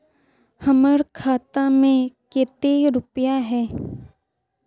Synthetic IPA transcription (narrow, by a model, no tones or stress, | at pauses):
hɐməɾkʰaːt̪amẽkeːt̪eɾʊpəjaɦɛː